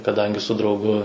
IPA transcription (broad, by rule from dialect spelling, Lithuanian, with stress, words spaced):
kɐˈdɐŋʲɡʲɪ sʊ drɐʊˈɡʊ